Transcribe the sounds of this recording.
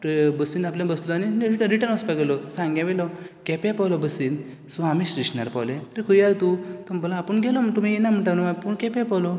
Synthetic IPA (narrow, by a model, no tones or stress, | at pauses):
bəsinapljãbəslɔaniɾiʈəɾiʈəɾnəspaɡelɔsãŋɡjãʋɛlɔkɛpɛ̃pɔlɔbəsin | suamisɾiɕna̰ɾpɔ̰let̪ɾikʰujajt̪ut̪ɔmbəlãːpəɳɡɛlɔmt̪umijenam̤əɳʈanuʋapuɳkɛpɛpɔlɔ